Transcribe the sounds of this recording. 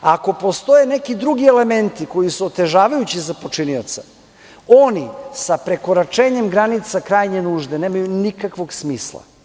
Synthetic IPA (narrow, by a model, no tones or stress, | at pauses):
ako̞po̞st̪o̞je̞ne̞kid̪ɾuɡiele̞me̞nt̪iko̞jisuot̪e̞ʒaːʋajut͡ɕizapo̞t͡ʂinio̞t̪sa | onisapɾe̞ko̞ɾat͡ʃe̞ːɲe̞mɡɾanit̪sakɾaːjɲe̞nuːʒd̪ene̞ːmajunikakʋo̞ɡsmiːslˠa̰